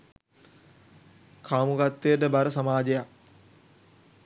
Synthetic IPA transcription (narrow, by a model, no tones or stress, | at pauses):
kʰaːmukat̪ːejəʈəbaɾəsamaːd͡ʒejak